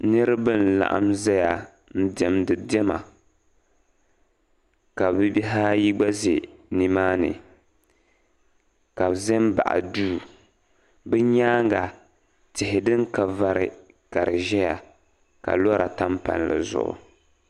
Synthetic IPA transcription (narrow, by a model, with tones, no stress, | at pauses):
nɨ˦ɾɨ˦bɨ˦n̩˨la̰˨ʔa̰˦mzɛ˦ja˨ | n̩˦dɛ˦mdɨ˨dɛ˦ma˨ | ka˨bɨ˦bi˦ɦa˦ji˦ɡ͡ba˦ze˨ni˨maː˦nɨ̰˨ | ka˨zɛ˦mba̰˨ʔa̰˨duː˦˨ | bɨ˦ɲaː˦ŋɡa˨ | tɪ˨ɦɪ˨dɨ˦ŋka˨va˦ɾɪ̰˨ | ka˨ɾɨ˨ʒɛ˦ja˨ | ka̰˨lɔ˦ɾa˨ta˦mpa̰˨n˨lɨ̰˨zʊ̰˨ʔʊ̰˨